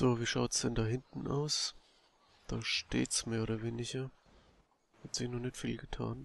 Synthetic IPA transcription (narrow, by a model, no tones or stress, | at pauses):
z̥oːviːʃaʊtsd̥ɛndaːɦɪntn̩ʔa̰ʊs | d̥aːʃtḛːtsmeːɐoːdɐveːnɪɡɐ | hatz̥ɪçnɔχnɪçtfiːlɡətʰa̰ːn